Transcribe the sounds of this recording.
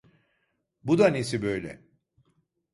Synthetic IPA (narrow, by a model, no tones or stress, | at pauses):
bud̪anesibø̞jlʲɛ̰